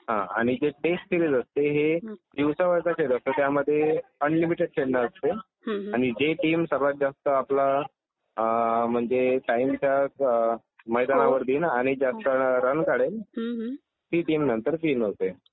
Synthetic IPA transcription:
ɦã̰a̰ɽ̃id͡ʑeʈessiɾid͡zəst̪eɦed̪iwsəʋəɾt̪at͡ɕeɽəst̪ət̪jaməd̪ʱːjeənlimiʈeɖ̚t͡ɕʰeɽnəəst̪e | aɽ̃id͡ʑeʈiːmsəɾʋat̪̚d͡zast̪əapla | m̤əɳd͡zeʈaimt͡ɕja | məjd̪anaʋəɾd̪iːnaɽ̃id͡zast̪əɾənkaɽen | t̪iːʈiːmnənt̪əɾt̪iːnɦot̪e

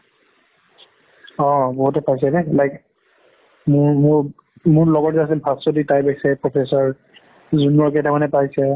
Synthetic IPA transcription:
ɔ̃bɔɦutɛpajs̬ɛnɛlajk | mʊɹmʊ | mʊɹlɔɡɔtɛasilpʰastɔditajbaksɛpɹɔpʰesɔɹ | zunːɔɹketamanɛpajsɛ

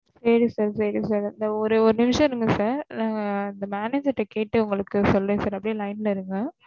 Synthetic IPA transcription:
seːɾisaːɾsɛɽisaːɾɪnd̪ɐɔɾɯɔɾɯnɪmɪʂɐ̃ɪɾɯŋɡɐsaːɾnaːŋɡɐɪnd̪ɐmaːneːd͡ʒɐɾʈːɐkeːʈːɯʊŋɡɐɭɯkːɯsɔlːɾẽːsaːɾɛpːɐɽĩlɐɪnlɐɪɾɯŋɡɐ

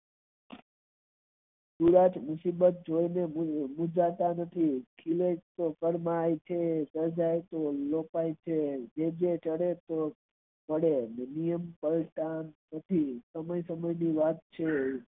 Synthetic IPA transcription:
suɾat͡ʃmʊsibət̪̚d͡ʒojnemud͡ʒat̪anət̪ʰikʰiled͡ʒt̪okəɽmajt͡ʃʰesəɾd͡ʒajt̪olopajt͡ʃʰed͡ʒed͡ʒet͡ʃəɽet̪o | pəɽenenijəmpəlʈanːət̪ʰisəməjsəməjniʋat̪̚t͡ʃʰe

